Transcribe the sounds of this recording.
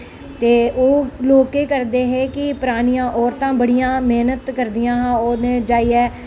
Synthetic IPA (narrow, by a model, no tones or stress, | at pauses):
t̪eːoːloːkeːkəɾd̪eːɦeːkɪpʊɾaːnijãːʔɔːɾt̪ãːbəɽɪjãːmeːnət̪kəɾd̪ɪjãːɦãːoːneːd͡ʒaːiːɛː